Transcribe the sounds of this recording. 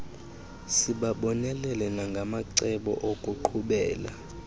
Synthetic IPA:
siɓaɓɔnɛlɛlɛnaŋɡʱamaǀɛɓɔ̰ʔokʼuǃʰuɓɛːla̰

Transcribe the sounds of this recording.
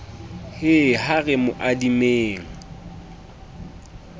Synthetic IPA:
hɪhaɣɛmʊʔadimeːŋ̩

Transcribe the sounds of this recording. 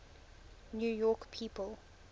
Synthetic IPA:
njuːjɔˑkpʰiːpəlˠ

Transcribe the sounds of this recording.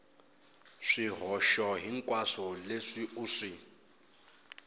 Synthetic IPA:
ʂiɦɔʃɔɦiŋ̩kʼwasɔleʂiuːʂi

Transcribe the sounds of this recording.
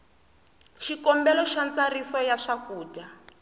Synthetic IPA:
ʃikɔmbɛlɔʃant͡sarisɔjaʂakuːda

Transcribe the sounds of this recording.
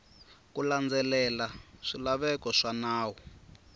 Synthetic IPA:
kuland͡zɛlɛlaʂilaβɛkɔʂanaːwɔ

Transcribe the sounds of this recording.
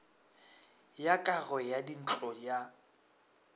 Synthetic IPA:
jakʼaɣɔjadin̩t͡ɬʼɔja

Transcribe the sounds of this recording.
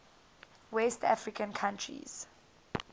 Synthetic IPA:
wɛstafɹikʰãnkʰãntʰɹḭz̥

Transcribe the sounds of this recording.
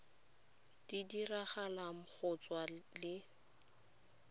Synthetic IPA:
d̥idiraχalam̩k͡xʰʊt͡swalɪ

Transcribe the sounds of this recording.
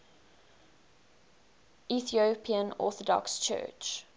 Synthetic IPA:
iθiopʰiə̃nɔ̰ˑθɔdɔ̰kst͡ʃʰɜ̰ːt͡ʃ

